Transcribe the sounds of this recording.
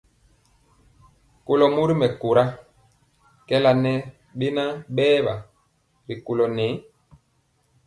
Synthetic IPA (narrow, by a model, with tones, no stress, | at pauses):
ko˨lɔ˨mu˦ɾi˦mɛ˨ko˨ɾa˦ | kɛ˦la˨nɛ˦ | ɓe˦na˦ɓɛː˦ba˨ | ɾi˨ko˨lɔ˨nɛ˨˦